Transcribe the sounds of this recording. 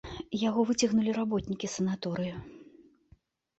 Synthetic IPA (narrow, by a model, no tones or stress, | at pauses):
jaɣɔvɨt͡sʲɐɣnulʲiɾabɔt̪nʲikʲisɐnat̪ɔɾɨju